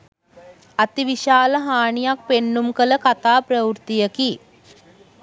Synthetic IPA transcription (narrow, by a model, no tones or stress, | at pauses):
at̪iʋiʃaːləɦaːɳijak̚penːumkələkat̪aːpɾəwuɾt̪ijəki